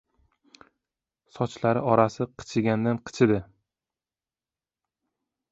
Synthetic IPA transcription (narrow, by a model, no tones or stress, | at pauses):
sɒt͡ʃlaɾɪɒɾasɪqʰɨ̥t͡ʃʰɪɡʲand̪anqʰɨ̥t͡ʃʰɪd̪ɪ